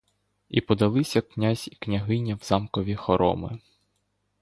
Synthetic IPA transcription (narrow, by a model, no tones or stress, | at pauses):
ipɔd̪ɐlˠɪsʲɐknʲazʲiknʲɐɦɪnʲiwz̥ɑmkɔʋʲixɔɾɔ̰mɪ̰